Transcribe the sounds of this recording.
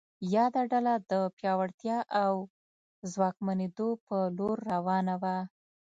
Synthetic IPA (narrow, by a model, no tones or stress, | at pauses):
jɑd̪aɖalad̪əpjɑwaɽt̪jɑʔaw | zwɑk̚maned̪opəloɾːawɑnawa